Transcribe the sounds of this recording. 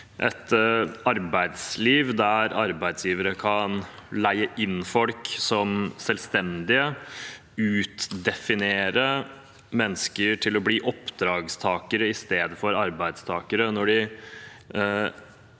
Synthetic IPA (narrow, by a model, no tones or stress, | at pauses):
ʔɛ̰t̪ɑɾbæɪd̪sliːʋd̪æɾɑɾbæɪd̪sjiːʋəɾəkʰɑn | læɪəʔɪnːfɔlksɔmsɛlst̪ɛnd̪ɪə | ʉːt̪d̪ɛfɪneːɾə | mɛnːəskəɾʈʰɪlɔbliːʔɔpd̪ɾɑːɡst̪ʰɑːkəɾəɪst̪eːd̪əfɔɾɑɾbæɪd̪st̪ʰɑːkəɾənɔɖɪ